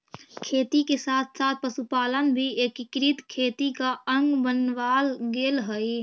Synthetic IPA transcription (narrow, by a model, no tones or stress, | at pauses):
kʰeːt̪ikesaːt̪ʰsaːt̪̚ʰpəsupaːlənbʱieːkɪkɾit̪kʰeːt̪ikaə̃ŋɡbənʋaːlɡeːlɦəi